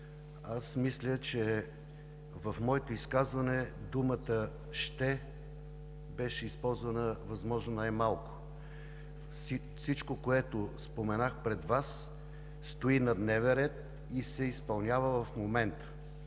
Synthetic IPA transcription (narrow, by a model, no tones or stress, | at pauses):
asmislʲət͡ʃɛ | vɐfmɔɛt̪ʊiskazvənɛd̪umət̪ə | ʃt̪ɛ | bɛʃɛispɔlˠzvənəvɐzmɔʒnonajmalˠkʊ̥ | sit͡ʃkokoɛt̪ʊspomɛnaxpɾɛd̪vas | st̪oinɐd̪nɛvɛnɾɛt̪̚ | isɛispɐlˠnʲavəvɐfmomɛnt̪ə̥